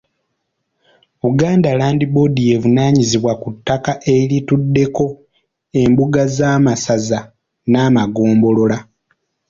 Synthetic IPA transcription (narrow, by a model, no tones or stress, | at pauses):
uɡaːndalaːndibo̞dije̞vunaːɲiziβwakutːakaʔe̞litudːe̞ko̞ | e̞mbuɡazaːmasaza | naːmaɡoːmbo̞lo̞la